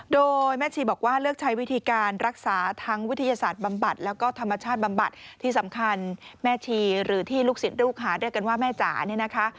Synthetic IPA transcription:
doː˧jmɛː˥˩t͡ɕʰiː˧bɔː˨˩k̚waː˥˩lɯ˥˩ək̚t͡ɕʰa˦˥jwi˦˥t̪ʰiː˧kaː˧nɾa˦˥k̚saː˩˦t̪ʰa˦˥ŋwi˦˥t̪ʰa˧jaː˧saː˨˩t̪̚ba˧mba˨˩t̪̚lɛː˦˥wkɔː˥˩t̪ʰa˧mːa˧t͡ɕʰaː˥˩t̪̚ba˧mba˨˩t̪̚ʰːiː˥˩sa˩˦mkʰa˧nmɛː˥˩t͡ɕʰiː˧ɾɯː˩˦t̪ʰiː˥˩luː˥˩k̚si˨˩˦nɾuː˥˩k̚ɦaː˩˦dɯ˥˩əjka˧nwaː˥˩mɛː˥˩t͡ɕa̰ː˨˩˦ni˥˩əna˦˥kʰa˦˥ʔ

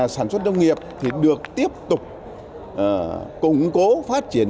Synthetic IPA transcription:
saː˧˩nswə˦˥t̚zə˧wŋ͡mŋi˨˩əp̚t̪ʰi˨˩ɗɨ˨˩ək̚t̪i˦˥əp̚t̪ʊ˨˩k͡p̚ː | kʊ˨˧˩ŋ͡mko˨˦faː˦˥t̚t͡ɕi˧˩ən

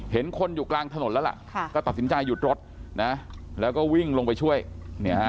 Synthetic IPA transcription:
he˩˦nkʰo˧njuː˨˩klaː˧ŋt̪ʰa˧no˨˩˦nlɛː˦˥la̰˩ʔkʰkɔː˥˩t̪a˨˩t̪̚si˩˦nt͡ɕa˧jːu˨˩t̪̚ɾo˦˥t̪̚na˦˥lɛː˦˥wkɔː˥˩wi˥˩ŋlo˧ŋp̬a˧jt͡ɕʰu˥˩əjni˦˥ɐ

